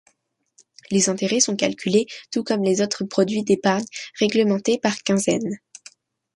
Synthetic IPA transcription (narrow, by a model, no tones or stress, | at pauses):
lezɛ̃t̪eʁɛsɔ̃kalkʲylet̪ukɔmlezot̪χəpχɔd̪ɥid̪epaʁɲʁɛɡləmɑ̃t̪epaʁkʲɛ̃zɛn